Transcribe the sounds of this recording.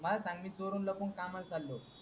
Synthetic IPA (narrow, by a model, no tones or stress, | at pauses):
məlasãŋɡmit͡soɾunləpuɳkamalt͡salːo